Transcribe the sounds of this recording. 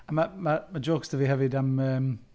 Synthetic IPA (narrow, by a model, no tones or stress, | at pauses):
ənməməməd͡ʒoːɡstʰəviɦavɪdaməːm